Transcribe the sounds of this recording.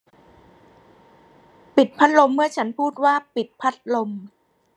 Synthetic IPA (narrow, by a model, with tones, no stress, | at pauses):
pi˨˩t̪̚pʰa˦˥t̪̚lo˧mːɯ˥˩ɐt͡ɕʰa˦˥npʰuː˥˩t̪̚waː˥˩pi˨˩t̪̚pʰa˦˥t̪̚lo˧m